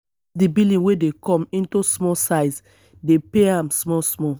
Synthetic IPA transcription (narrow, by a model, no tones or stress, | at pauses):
dibilĩwedekɔ̃mĩntusmɔsaɪz | depeãmsmɔsmɔ